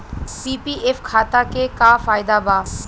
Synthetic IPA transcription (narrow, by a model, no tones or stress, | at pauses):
pipiʔefkʰat̪akekafajd̪aba